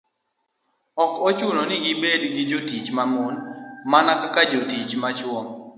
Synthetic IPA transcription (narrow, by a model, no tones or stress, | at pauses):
ɔkot͡ʃunonɪɡɪbedɡɪd͡ʒotit͡ʃmamonmanakakad͡ʒotit͡ʃmat͡ʃwɔŋ